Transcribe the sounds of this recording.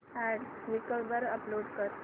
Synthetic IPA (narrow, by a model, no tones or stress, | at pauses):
æ̃ɖɾikəbəɾəploɖkəɾ